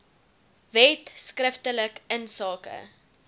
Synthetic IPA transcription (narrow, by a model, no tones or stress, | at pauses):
vɛtskrəftələkənsɑːkə̰